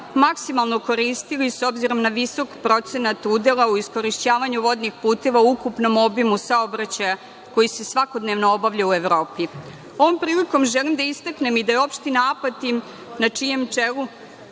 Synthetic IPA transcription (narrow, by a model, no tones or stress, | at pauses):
maksimalˠno̞ko̞ɾiːst̪iliso̞bziɾo̞mnaʋiso̞kpɾo̞t̪se̞nat̪ud̪e̞lˠauisko̞ɾiʃt͡ɕaːʋaɲuʋo̞d̪nixpuːt̪e̞ʋaukupno̞mo̞bimusaobɾat͡ɕaja | ko̞jise̞sʋako̞d̪ne̞ʋnoobaʋʎaue̞ʋɾo̞ːpi | o̞ʋo̞mpɾiːliko̞mʒe̞limd̪aist̪akne̞mid̪ajeo̞pʃt̪inaːpat̪i | nat͡ʂije̞mt͡ʂelu